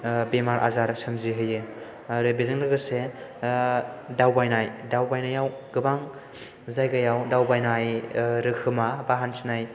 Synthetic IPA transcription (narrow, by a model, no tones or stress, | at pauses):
bemaɾʔa̰zaɾsɯmziɦɯjɯ | ɾɯbezɯŋɾɯɡɯse | dawbajnajdawbajnajawɡɯbaŋ | zajɡajawdawbajnajɾɯkʰɯmabaɦansʰinaj